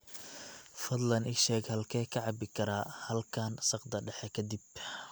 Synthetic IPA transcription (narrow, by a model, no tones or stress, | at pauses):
fɐd̪lɐnɪʃɛːɡhɐlkʰɛːkʰɐʕɑbɪkʰɐɾaːhɐlkʰaːnsɑqd̪ɐɖɛħɛkʰɐd̪ɪb